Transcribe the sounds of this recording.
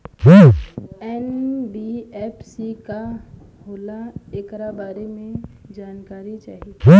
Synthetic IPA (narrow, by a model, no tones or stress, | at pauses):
kʰiːɛnbiɛːpʰsika | ɦoːlaeːkɾabaːɾemẽd͡ʒaːnkaːɾit͡ʃaːɦieiː